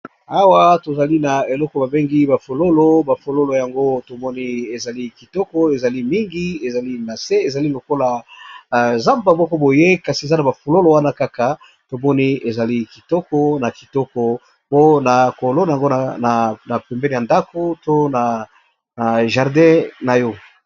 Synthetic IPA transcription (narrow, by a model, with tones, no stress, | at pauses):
a˦wa˦to˨za˨li˦na˨e˨lɔ˦kɔ˨ba˨be˦ŋɡi˦ba˨fo˨lo˦lo˦ba˨fo˨lo˦lo˨ja˨ŋɡo˦to˨mɔ˦ni˦e˨za˨li˦ki˨tɔ˦kɔ˦e˨za˨li˦mi˦ŋɡi˦e˨za˨li˦na˨se˦e˨za˨li˦lo˨ko˦la˨ | za˦mba˨mɔ˦kɔ˦bo˨je˦ka˨si˨e˨za˦na˨ba˨fo˨lo˦lo˨wa˦na˦ka˦ka˨ | to˨mɔ˦ni˦e˨za˨li˦ki˨tɔ˦kɔ˦na˨ki˨tɔ˦kɔ˦ | po˦na˨ko˨lo˦na˨ja˨ŋɡo˦˨a˨na˨pɛ˨mbɛ˦ne˨ja˨nda˦ko˦to˦na˨ | na˨ʒa˨ʁdɛ̃˦na˨jɔ˦